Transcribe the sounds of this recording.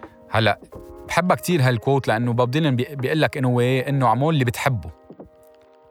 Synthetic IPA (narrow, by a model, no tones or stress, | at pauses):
halːaʔbħɪbːakt̪iːɾɦalkoːt̪laʔanːʊbɑb̚d̪ˤiːlnbijʔɪlːakʔɪnːhʊwːeʔɪnːʊʕmoːlːibɪt̪ħɪbːu